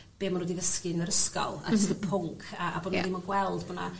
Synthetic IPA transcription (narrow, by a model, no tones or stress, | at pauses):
b̥eːmanɾədivəskɨnəɾəskɔ̰lˠa̰dʰidəpʰʊŋkʰaʔaboːn̰dimɔɡwɛlˠdbɔna